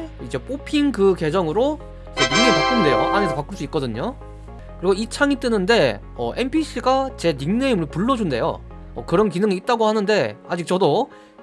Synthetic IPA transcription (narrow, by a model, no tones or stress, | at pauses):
id͡ʑe̞p͈ʰopʰiŋkɯke̞d͡ʑʌŋɯɾo | id͡ʑeniŋepak͈ɯmɭe̞jo̰ʔaɲesʰʌpak͈ɯɭs͈uik͈̚ʌdɯɲo | kɯɾiɡuit͡ɕʰaŋit͈ɯnɯnde̞ | ʌ̰ʔe̞mpʰiɕʰiɡat͡ɕe̞niŋne̞imɯɭpuɭːʌd͡ʑunde̞jo̰ | ʌkɯɾʌnkinɯŋiːt̚t͈aɡohanɯnde̞ad͡ʑik̚t͡ɕ͈ʌdo